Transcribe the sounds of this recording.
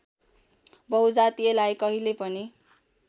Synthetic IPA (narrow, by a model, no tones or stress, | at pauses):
bʌwd͡zat̪ielajkʌɦilepʌni